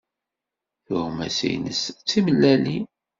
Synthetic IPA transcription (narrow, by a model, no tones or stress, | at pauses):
θʊhmæ̰sḭjnəst͡sːiməlːæli